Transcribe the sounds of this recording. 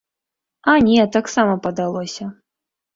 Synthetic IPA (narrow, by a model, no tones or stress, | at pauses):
ɐnʲɛt̪aksamɐpɐd̪alˠɔsʲɐ